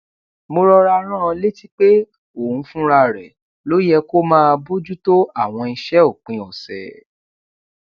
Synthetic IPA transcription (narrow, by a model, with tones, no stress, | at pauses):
mo˧ɾɔ˧ɾa˧ɾ̃ã˦˧le˦ti˦k͡pe˦ | o˦˨ũ˨˧˦fũ˦ɾa˧ɾɛ̰˨ | lo˨˦jɛ˧ko˦mãː˦˧bo˦d͡ʒu˦to˦a˦˨w̃ɔ̃˧i˧ʃɛ˦o˦˨k͡pĩ˧ɔ˨sɛ̰˨